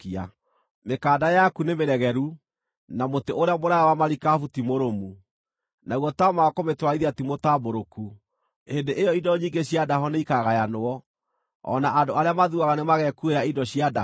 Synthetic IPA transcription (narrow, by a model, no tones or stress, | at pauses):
a | mekaːdajakunemeɾɛɣɛɾu | namoteoɾeamoɾajawamaɾikafutimoɾomu | nauɣɔtaɔmakometwaiðiatimotaboɾoku | endeʔejɔidɔɲiːŋɡeɕjadaɦɔneikaɣajanoɔ | ɔ̰naʔandoaɾeamaðuaɣanemaɣɛkueɾaidɔɕiada